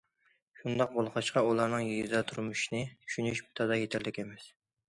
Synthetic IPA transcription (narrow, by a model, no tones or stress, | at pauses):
ʃund̪ɑq̚bolˠqʰɑʃqɑulˠɑɾnɨŋjiɡʲizd̪ɛt̪ʰuɾmuʃinɨt͡ʃʰy̥ʃynyʃbi̥t̪ʰɑd̪ɑjet̪ʰæɾlɪkʲemɛs